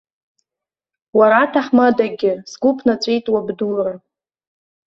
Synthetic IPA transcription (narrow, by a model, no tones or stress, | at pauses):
waɾatʰaħmadaɡʲɪsɡʷupʰnat͡sʷʼejtʼwabdulra